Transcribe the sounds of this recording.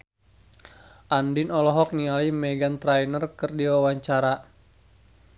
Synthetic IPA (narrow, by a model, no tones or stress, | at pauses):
ʔandinɔlɔɦɔk̚nialimɛɡant̪ɾajnərkɨrdiwawaɲt͡ʃaɾa